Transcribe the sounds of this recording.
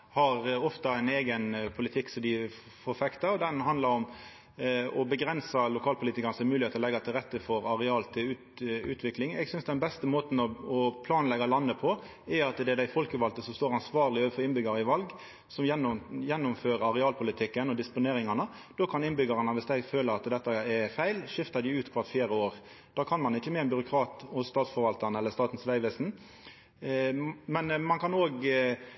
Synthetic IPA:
hɑɾɔft̪ɑæɪneːɡənpʰʊlɪt̪ʰɪkːsɔd̪ɪ | foːɾfɛkt̪ɑɔd̪ɛnɦɑnd̪lɑɾɔm | ɔbəɡɾɛnsɑlʊkʰɑːlpʰʊliːt̪ɪkəɾnəsɔmʉlɪheːt̪ɔlɛɡːɑt̪ʰɪlɾɛt̪ːəfɔɾɑɾɛɑːlt̪ʰɪlʉː | ʉ̰ːt̪ʰʋɪklɪŋɛ̰ɡsʏnsd̪ɛnbɛst̪əmoːt̪n̩ɔɔpʰlɑːnlɛɡɑlɑnːəpʰɔ | ɛɑt̪d̪ɛd̪æɪfɔlkəʋɑlt̪əsɔmst̪oːɾɑnsʋɑːʁlɪoːʋəfɔɾɪnbʏɡɑɾəɪʋɑlɡ | sɔmjɛnːjɛnːʊmføːɾɑɾɛɑːlpʰʊlɪt̪ʰɪkːənɔd̪ɪspʊneːɾɪŋɑnə | d̪̥oːkʰɑnɪnbʏɡɑʁɑnəʋɪsd̪æɪføːləɾɑt̪d̪ɛt̪ːəɛfæɪlʃɪft̪ɑd̪ɪʉːt̪kʰʋɑt̪fjeːɾəoːʁ | d̪̥ɑːkʰɑnmɑnɪçːəmɛːnbʏɾʊkʰɾɑːt̪ɔst̪ɑːt̪sfɔɾʋɑlt̪ənəɛlːəst̪ɑːt̪n̩sʋæɪʋɛsn̩ | mɛnmɑnkʰɑnoːɡ

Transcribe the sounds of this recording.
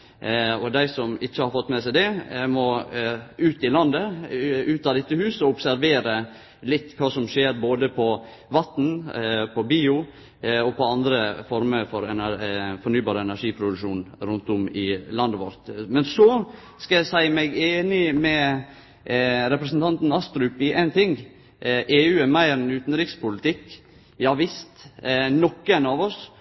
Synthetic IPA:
ɔd̪æɪsɔmɪçːəhɑɾfɔt̪ːmɛsæɪd̪ɛmɔ | ʉːt̪ɪlɑnd̪əʉːt̪ːɑːd̪ɪt̪ːəhʉːsɔʊpsæɾʋeːɾə | lɪt̪ːkʰɑːsɔmʂeːɾboːd̪əpʰɔ | ʋɑt̪n̩pʰɔbiːʊ | ɔpʰɔɑnd̪ɾəfɔɾməfɔɾɛnæɾfɔɾɳyːbɑːɾəɛnæʂiːpʰɾʊd̪ʉʂuːnɾʉnt̪ʊmɪlɑnd̪əʋɔ̰ɾt̪mɛnsɔː | skɑæɪsæɪmæɪɡeːnɪmɛ | ɾɛpɾəsnt̪ɑnt̪nɑst̪ɾʉpɪʔæɪnt̪ʰɪŋ | ʔeːʉːæɾmæɪɾɛnʉːt̪n̩ɾɪkspʊlɪt̪ʰɪkː | jɑːʋɪst̪nɔkːəɛnɑʋɔs

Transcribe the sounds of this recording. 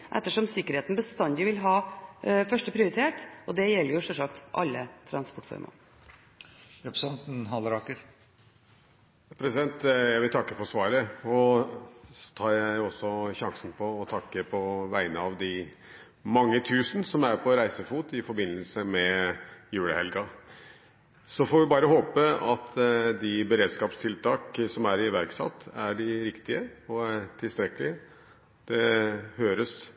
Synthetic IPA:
ʔɛ̰t̪ːəʂɔmsɪkːəɾeːt̪nbəst̪ɑnd̪ɪʋɪlɦɑːfœʂʈəpʰɾɪʊɾɪt̪ʰeːʈʔɔd̪ɛjɛlːəɾjʊʂɛʂɑkt̪ʔɑ̰lːət̪ʰɾɑnspɔʈfɔ̰ɾmʔɑ̰ | ɾɛpɾsɑnt̪nɦɑlɾɑkəɾ | pʰɾɛsɪd̪ɛnt̪jæɪʋɪlt̪ʰɑkːəfɔʂʋɑːɾəɔ | ɔt̪ʰɑːɾjæɪɔsːɔɕɑŋsn̩pʰɔːt̪ʰɑkːəpʰɔʋæɪnəɑʋd̪ɪ | mɑŋːət̪ʰʉːsnsɔmæɾpʰɔɾæɪsəfuːt̪ɪfɔɾbɪnːəlsəmɛjʉːɽəhɛlɡɑ | sɔfɔɾʋɪbɑːɾəɦoːpəɑt̪d̪ɪbəɾeːd̪skɑːpst̪ʰɪlt̪ʰɑːksɔmæɾɪʋæɾksɑ̰t̪ʰːæɖɪɾɪkt̪ɪəɔæɾʈʰɪlst̪ɾɛkːəlɪ | d̪̥ɛhøːɾəs

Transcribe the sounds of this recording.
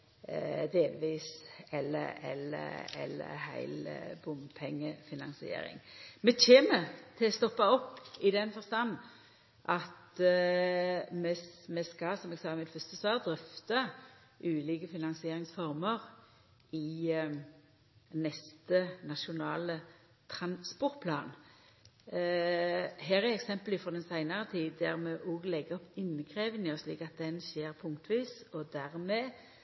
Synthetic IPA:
d̪eːlʋiːsɛlːəɛlə̰ɛ̰lə̰hæ̰ɪlbʊmpʰɛŋːəfɪnɑnsɪḛːɾɪ̰ŋmɛçeːmət̪ʰɪlst̪ɔpːɑɔpːɪd̪ɛnfɔʁst̪ɑnː | ʔɑt̪ | mɛmɛskɑsɔmɛɡsɑːmɪt̪fœst̪əsʋɑːʁd̪ʁœft̪ɑ | ʔʉːliːkəfɪnɑnsɪeːʁɪŋsfɔʁməʁ | ɪ | nɛst̪ənɑʃʊnɑːlə | t̪ʰɾɑnspɔʁt̪̚pʰlɑ̰ːn | ɦæːʁæɛksɛmpəlɪfɾɔd̪ɛnsæɪnɑʁət̪ʰiːd̪æʁmɛʔoːɡlɛɡːəɔpɪnːəkʰʁeːʋənəɔslḭːkɑt̪̚d̪ɛnʃeːʁpʰʊŋkt̪ʋiːsɔd̪æʁmɛː

